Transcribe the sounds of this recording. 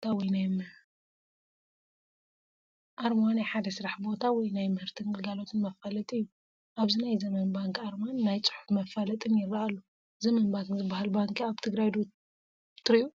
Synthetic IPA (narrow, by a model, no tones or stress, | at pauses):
t̪ʰawɔjnajm | ʔaɾmanajħad̪ɐsɨɾaħbo̞t̪ʰawɔjnajmɨhɨɾt̪ʰɨnɡɨlɡalo̞t̪ʰɨnmɐfalɐt̪ʼɨjːu | ʔaβzinajzɐmɐnbaŋkaɾmanːajt͡sʼɨ̥ħu̥fmɐfalɐt̪ʼɨnjɪrːaalːu | zɐmɐnbaŋkzɨbːahalbaŋkʰiaβt̪ʰɨɡɾajd̪o | t̪ʰɨɾɨu